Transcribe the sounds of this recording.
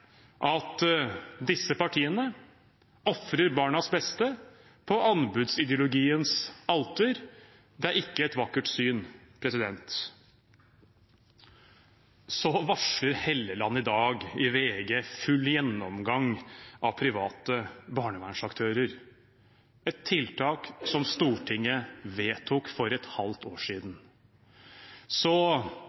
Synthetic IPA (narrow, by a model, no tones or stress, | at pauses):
ʔɑt̪d̪ɪsːəpɑʈʰiːənə | ɔfɾəɾbɑːɳɑsbɛst̪ə | pʰɔʔɑnbʉd̪sɪd̪ɪʊlʊɡiːənsɑlt̪əɾ | d̪ɛæɾɪkːəɛt̪ʋɑkːəʈsyːnpʰɾɛsɪd̪ɛnt̪ | sɔʋɑʂləɾheːlːəlɑnːəɪd̪ɑːɡɪʋeːɡeːfʉlːjɛnːɔmɡɑŋɑʋpʰɾɪʋɑːt̪əbɑːɳəʋæɳʂɑkt̪ʰøːɾəɾ | ɛt̪ʰːɪlt̪ʰɑːksɔmst̪uːʈʰɪŋːəʋeːt̪ʰʊkfɔɾɛt̪hɑlt̪ʰoːʂiːd̪n̩ | sɔ